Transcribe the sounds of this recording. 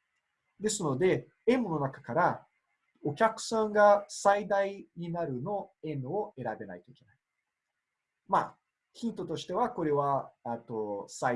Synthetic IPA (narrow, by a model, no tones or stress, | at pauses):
d̪e̞sɨno̞d̪e̞ | ẽ̞mːono̞nakakaɾa | okʲakɯ̟̥sãŋɡasaid̪aiɲ̟inaɾɯ̟no̞ẽ̞noe̞ɾabe̞na̰it̪o̞ikenai̥ | ma̰ː | çĩnt̪o̞t̪o̞ɕi̥t̪e̞βako̞ɾe̞βaet̪o̞sa